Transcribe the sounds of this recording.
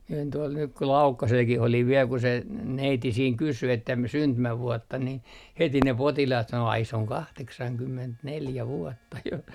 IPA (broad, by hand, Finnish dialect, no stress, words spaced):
mie olin tuol nyk ku lɑukːɑselkih oliʋ ʋiel ku se neiti siːŋ kysy etːæ m syntymæʋuɔtːɑ ni heti ne potilɑːt sɑno ɑi se oŋ kɑhteksɑŋkymːentneljæ ʋuɔtːɑ jo